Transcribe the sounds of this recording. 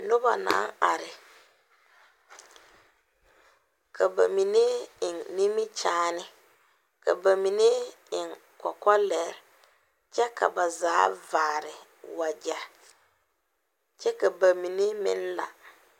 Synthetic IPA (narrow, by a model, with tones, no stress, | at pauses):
nʊ˦ba˨na̰ː˨˦ŋa˨ɾɪ˨ | kʰa˨ba˨mi˨ne˦ɪ˨ŋni˦mɪ˦t͡ʃaː˦nɪ˦ | ka̰˨ba˨mi˨ne˦ | ɪ˨ŋ | kɔ˨kɔ˦lɛ˨ɾ | t͡ʃɛ˦kʰa̰˨ba˨zaː˦vaː˨ɾɪ˨ | wa˨d͡ʒa˨ | t͡ʃɛ˦ka˨ba˨mi˨ne˦mɪ̰̃˦n˦la̰˨